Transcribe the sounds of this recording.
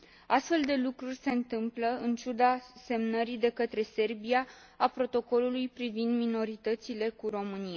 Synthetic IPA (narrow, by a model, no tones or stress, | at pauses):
ast̪fe̞ld̪e̞lukɾurʲse̞ɨnt̪ɨmpləɨnt͡ʃud̪ase̞mnəɾid̪e̞kət̪ɾe̞se̞rbija | apɾo̞t̪o̞ko̞lulujpɾivind̪mino̞ɾit̪ət̪sile̞kuɾo̞mɨnijaa